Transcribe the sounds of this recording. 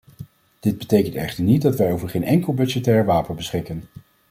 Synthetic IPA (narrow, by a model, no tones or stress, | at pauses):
d̥ɪd̚bətejkəntɛ̰χtəɹnit̚dɑtʋɛjowvəɹχejnʔɛŋkəlˠbɵd͡ʒətɛːɹʋaːpənbəsχɪkən